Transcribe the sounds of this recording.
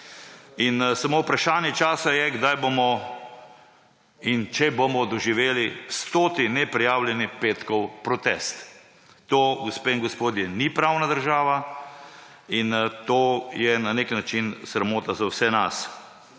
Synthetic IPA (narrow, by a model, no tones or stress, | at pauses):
insamowpɾaʃaːnjɛt͡ʃaːsajɛɡd̪ajbomɔ | int͡ʃɛbomɔd̪ɔʒiʋeːlist̪oːt̪inɛpɾijaːwljɛnipeːt̪kɔwpɾɔt̪ɛst̪ː | oːɡospeːiŋɡɔspoːd̪jɛnipɾawnad̪əɾʒaːʋa | int̪oːjɛnaneknat͡ʃinsɾamoːt̪azawsɛnas